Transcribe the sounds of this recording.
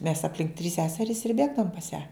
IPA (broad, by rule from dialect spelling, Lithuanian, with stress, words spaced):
mʲɛs ɐpʲˈlʲɪŋk tʲrʲiːs ˈsʲæːsʲɛrʲiːs ɪr ˈbʲeːɡdɐʋoːm pɐs jæː